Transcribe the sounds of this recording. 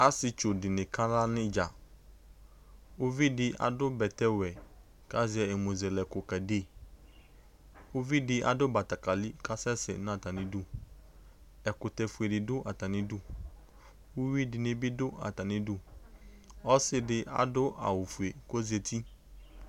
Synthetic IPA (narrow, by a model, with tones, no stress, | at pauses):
a˦sɪ˨t͡ʃo˨dɪ˨nɪ̃˨kʰa˦la˦nɪ̃˦d͡ʒa˨ | ʊ˦vi˦dɪ˦ʔa̰˨dʊ˦bɛ˨tɛ˦wɛ˨ | ka˦zɪ˨ɛ˨e˨mũ˨zɛ˨lɛ˨kʊ˨ka˨de˦˨ | ʊ˦vi˦dɪ˦ʔa̰˨dʊ˦ba˨ta˨ka˨lɪ˦ka˦sɛ˦sɛ̰˨˦n˦a˨ta˨nɪ̃˦dʊ˦ | ɛ˨kʊ˨tɛ˨fu˨e˨dɪ˨dʊ˦ʔa˨ta˨nɪ̃˦dʊ˦ | wʊ˦wi˦dɪ˨nɪ̃˦bɪ˦dʊ˦a̰˨ta˨nɪ̃˦dʊ˦ | ɔ˦sɪ˦dɪ˨ʔa̰˨dʊ˦a̰˨wʊ˨fu˨e˨ko˦ze˨t̪ʰi˦